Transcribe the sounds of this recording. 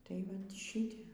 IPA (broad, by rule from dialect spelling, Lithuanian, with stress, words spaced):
tɐɪ ˈʋɐt ˈʃʲɪtʲɛ